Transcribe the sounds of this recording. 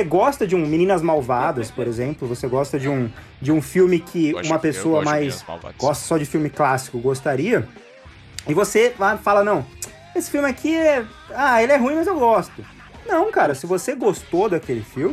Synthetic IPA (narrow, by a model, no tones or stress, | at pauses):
seɡɔst̪ɐd͡ʒɪũmĩnĩnɐzmawvad̪ɐspoɾezẽmplʊvoseɡɔst̪ɐd͡ʒɪũ | d͡ʒɪũfiwmɪkʰɪũmɐpesoɐmajsɡɔst̪ɐ̥sɔd͡ʒɪfiwmɪklasi̥kʊɡost̪aɾiɐ | ɪvoseafalɐnɐ̃w̃ | esɪ̥fiwmɪakʰiɛ | aelɪɛɦũĩmɐzewɡɔst̪ʊ | nɐ̃w̃kaɾɐsɪvoseɡost̪od̪ɐkelɪfiwmɪ